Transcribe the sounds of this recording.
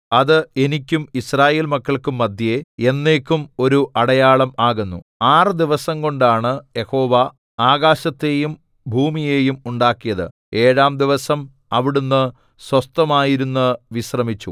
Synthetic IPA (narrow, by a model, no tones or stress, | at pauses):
ɐðɨe̞nikʲːumisraːje̞ːlmɐkːɐɭkumːɐd̪ʱjee̞nːe̞ːkʲːumo̞ɾuʔɐɽɐjaːɭɐmaːɣunːṵaːrɨd̪iʋɐsɐŋko̞ɳɖaːɳɨje̞ho̞ːʋɐ | aːɣaːɕɐt̪ːe̞ːjum | bʱuːmije̞ːjumuɳɖaːkːijɐðɨ̰ | e̞ːɻaːmd̪iʋɐsɐm | ɐʋiɽunːɨ | swɐst̪ɐmaːjiɾunːɨʋiɕrɐmit͡ɕːu